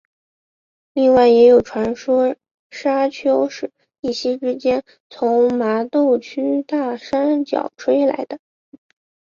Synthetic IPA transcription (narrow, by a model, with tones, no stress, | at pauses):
li˥˧ŋwa˥˩ɪjɛ˧˥jo˨˩ʊʈ͡ʂʰwa˧˥nʂwɔ˥ | ʂa˥t͡ɕʰjo˥ʊʂɻ̩˥˧ | i˥˩ɕjɛ˥ʈ͡ʂɻ̩˥t͡ɕjɛ˥n | t͡sʰʊ˧˥ŋma˧˥t̪o˥˩ʊt͡ɕʰy˥t̪a˥˩ʂa˥nt͡ɕjɑ̰˨˩ʊʈ͡ʂʰwe˥ɪla̰˧˥ɪd̪ə˧